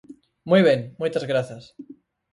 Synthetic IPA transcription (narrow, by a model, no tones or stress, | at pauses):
mwujβ̞eŋmujt̪azɣɾaθas